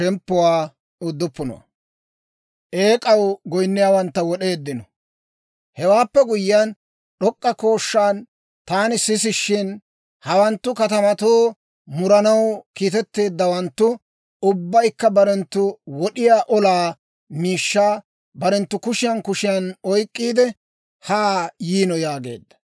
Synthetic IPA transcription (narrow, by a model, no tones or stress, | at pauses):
ʃɛmpːʊwaː | ʊd̪ːʊpːʊnɔ̰ɐ̰ | ʔe̞ːkʼɐwɡɔjnːɪjaːwɐnt̪ːɐwɔɗe̞ːd̪ːɪnɔ | hɛwaːpːɛɡʊjɪjan | ɗɔkʼːɐko̞ːʃːaːn | t̪aːnɪsɪs̬ɪʃːɪn | hɐwɐnt̪ːʊkɐt̪ɐmɐt̪oː | mʊɾɐnɐwkiːt̪ɛt̪ːe̞ːd̪ːɐwɐnt̪ːʊ | ʊbːɐjkːɐbɐɾɛnt̪ːʊwɔɗɪjaːʔɔlaː | miːʃːaː | bɐɾɛnt̪ːʊkʊʃɪjɐnkʊʃɪjɐnɔjkʼːiːd̪ɛ | haːjiːnɔjaːɡe̞̰ːd̪ːɐ̥